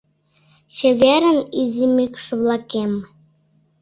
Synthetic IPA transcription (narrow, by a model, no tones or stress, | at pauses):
ɕɘ̆βeɾə̆nizʲimykʃβlɑkem